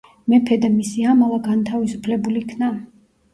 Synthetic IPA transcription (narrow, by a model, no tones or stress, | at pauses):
mɛpʰɛd̪ɛmisiamalˠaɡant̪ʰavisupʰlɛbulikʰna